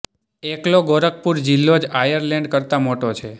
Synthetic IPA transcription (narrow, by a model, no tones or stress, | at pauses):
ekloɡoɾək̚puɾd͡ʒilːod͡ʒajəɾleɳɖkəɾt̪amoʈot͡ʃʰe